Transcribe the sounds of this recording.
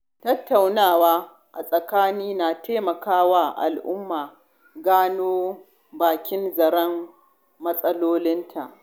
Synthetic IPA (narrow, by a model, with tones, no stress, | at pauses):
tɐ˦tːa˨wnaː˦˨waː˦ | ʔa̰˨sʼɐ˨kaː˦niː˦naː˨teː˦mɐ˨kaː˦waː˦ʔa̰˨lʔʊ˦mːaː˨ | ɡaː˦noː˦ | baː˨kʲɪ˦nzɐ˨ɽɐ˦m | mɐ˦sʼɐ˦loː˦lɪ˦ntʰa˨ʔ